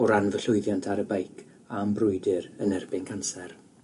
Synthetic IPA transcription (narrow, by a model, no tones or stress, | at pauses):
ɔɾanvəɬʊɨðjantʰaɾəbajkʰ | ambrʊɨdɪɾənɛrbɪnkʰansɛr